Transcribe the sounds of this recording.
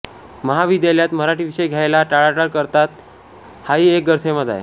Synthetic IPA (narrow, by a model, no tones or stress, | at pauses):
məɦaʋid̪jaljat̪məɾaʈiʋiɕəjɡʱjajlaʈaɭaʈaɽkəɾt̪at̪ | haɦiːek̚ɡəɾseməd̪a̰je